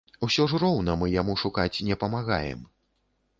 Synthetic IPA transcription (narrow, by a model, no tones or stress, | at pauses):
usʲɔʐrɔwnɐmɨjamuʂukat͡sʲnʲɛpɐmaɣa̰jɛ̰m